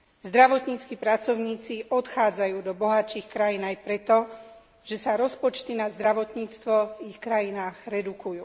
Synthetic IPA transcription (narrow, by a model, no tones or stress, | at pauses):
zd̪ɾaʋɔt̪ɲiːt͡skipɾat͡sɔʊɲiːt͡siʔɔt̪xaːd͡zajuːd̪ɔbɔɦat͡ʃiːxkɾajiːnajpɾɛt̪ɔ | ʒ̥ɛsaɾɔspɔt͡ʃt̪inazd̪ɾaʋɔt̪ɲiːt͡st̪ʋɔvixkɾajinaːɣɾɛd̪ukujṵː